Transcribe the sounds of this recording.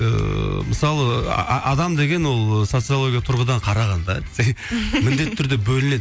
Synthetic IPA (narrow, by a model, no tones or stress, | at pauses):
ə̰məsɑlˠə̰ʔɑd̪ɑmd̪e̞ɡʲe̞nwo̞lˠso̞t̪sɨolˠo̞ɡʲijat̪ʰʊɾʁəd̪ɑɴqʰɑɾɑʁɑnd̪ɑzejmɪnd̪e̞t̪ːʰʏɾd̪e̞bɵlɪne̞d̪